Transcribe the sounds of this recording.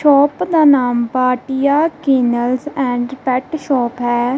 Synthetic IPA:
ʃɔːpd̪aːnaːmpaːʈijaːkiːnəlzɛ̃ːɳɖpɛːʈʃɔːpɦɛː

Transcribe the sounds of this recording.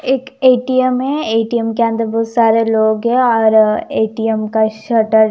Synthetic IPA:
eːkeːʈijəmɦɛeːʈijəmkeə̃nd̪əɾboːsaːɾeloːɡɦɛ̃ɔːɾeːʈijəmkaʃɐʈəɾ

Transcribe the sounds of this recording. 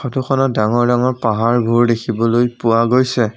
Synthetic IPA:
ɔtʰukʰɔnɔt̚daŋɔɹdaŋɔɹpaɦaɹbʱuɹdekʰibɔlojpʊwaɡojsɛ

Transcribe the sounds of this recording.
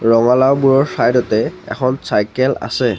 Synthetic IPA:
ɹɔŋalawbuɹɔɹsajdɔtɛɛ̰xʰɔnsajkɛla̰sɛ

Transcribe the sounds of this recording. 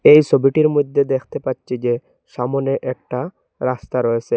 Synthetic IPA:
ejsobiʈiɾmod̪ʱːed̪ekʰt̪epatːɕʰid͡ʑe | ʃamoneʔɛk̚ʈa | ɾast̪aɾɔet͡ɕʰe

